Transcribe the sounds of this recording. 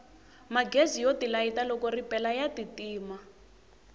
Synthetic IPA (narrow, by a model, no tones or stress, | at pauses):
maɡezijotilaitalɔkɔripɛlajatitiːma